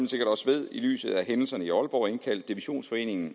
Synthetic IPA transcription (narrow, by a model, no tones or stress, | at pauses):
mn̩se̝ɡ̥ɐɾ̥ɒ̽səʋe̝ð̰ˠily̰ːsð̞̩ˠæɦenl̩sɐnəiɒ̽lb̥ɒ̰e̝nkʰæl̰d̥ːiʋiɕo̝̰ːnsfɒ̽e̝̰ːne̝ŋn̩